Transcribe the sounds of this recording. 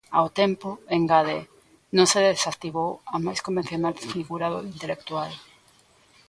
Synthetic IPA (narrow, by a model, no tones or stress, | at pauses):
a̰wt̪empʊeŋɡaðe | nõŋseðesakt̪iβowɐmajskombẽn̟θjonalfiɣuɾaðoint̪elek̚t̪ual